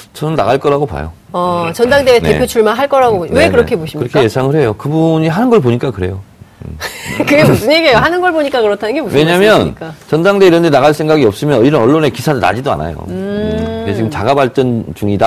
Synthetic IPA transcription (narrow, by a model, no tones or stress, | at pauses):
t͡ɕʌnɯnːa̰ɣaɭk͈ʌɾaɡopa̰jo̰ | ʌt͡ɕʌndaŋdeːnḛpʰjot͡ɕʰuɭmaɦaɭk͈ʌɾaɡowekɯɾʌkʰe̞boɕʰikɯɾʌkʰejesʰaŋɯɭɦe̞jokɯbuɲiɦanɯnɡʌɭpoɲik͈akɯɾe̞jo | kɯɡemusɯɲikejoɦanɯnɡʌɭboɲik͈akɯɾʌtʰanɯnŋɡemusweɲamjʌnk͈at͡ɕʌndaŋde̞iɾʌndenaɣaɭsʰeŋɡaɡiʌp̚s͈ɯmjʌniɾʌnʌɭːone̞kisʰadɯna̰d͡ʑidoa̰na̰jo̰ | et͡ɕiɡɯmt͡ɕaɡabaɭt͡ɕ͈ʌnt͡ɕuŋida